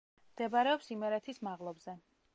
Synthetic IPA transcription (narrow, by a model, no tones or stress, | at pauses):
md̪̥ɛbaɾɛɔpsimɛɾɛt̪ʰismaʁlˠɔbzɛ